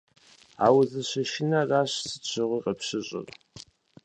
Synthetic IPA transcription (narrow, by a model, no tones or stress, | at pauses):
a̰ːwzɨɕɐʃɪnɐraːɕsɨ̥t͡ɕʰɪʁʷiːqʼɐpɕɪɕʼɪ̰r